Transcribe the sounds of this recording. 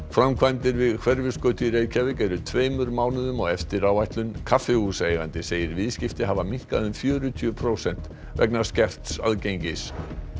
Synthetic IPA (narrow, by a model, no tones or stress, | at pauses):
fɾamkʰvajmt̪ɪɾvɪðkʰv̥ɛɾvɪskœːɥt̪iɾeːjcʰavɪcɛɾʏt̪ʰveːjmʏɾmaːwnɪðʏmɔɣɛft̪ɪɾawajht̪lʏnkʰafːɪuseːjɣant̪ɪseːjɪɾvɪðscɪft̪ɪɦavamiŋ̥kaðʏmfjœːɾʏt̪ʰyœpʰɾoːwsɛn̥t̪ | vɛ̰knaɾ̥scɛr̥t̪sa̰ðcejɲcɪs